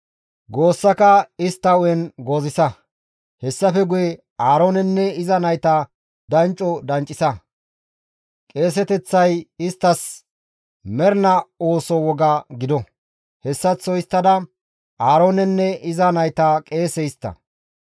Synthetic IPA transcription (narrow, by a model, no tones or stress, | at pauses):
ɡoːsːɐkɐɪst̪ːɐɔjɛnɡoːzɪsɐ | hɛsːɐfɛɡʊjɛ | aːɾoːnɛnːɛɪzɐnɐjt̪ɐ | d̪ɐnt͡ʃʼːɔd̪ɐnt͡ʃʼːɪsɐ | kʼe̞ːs̬ɛt̪ɛt͡sːɐjɪst̪ːɐs | mɛɾnɐoːsɔwɔɡɐɡɪd̪ɔ | hɛsːɐt͡sːɔɪst̪ːɐd̪ɐ | aːɾoːnɛnːɛʔɪzɐnɐjt̪ɐkʼe̞ːsɛɪst̪ːɐ̰